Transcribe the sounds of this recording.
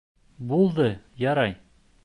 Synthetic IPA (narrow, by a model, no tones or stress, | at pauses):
bulˠd̪ɤjɒɾɑj